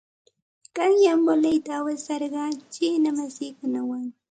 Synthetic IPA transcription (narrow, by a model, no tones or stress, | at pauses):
ɢ̥ɑŋjambolajt̪aːwesɑɾɢɑt͡ʃɪnamasɪkʊnawaŋ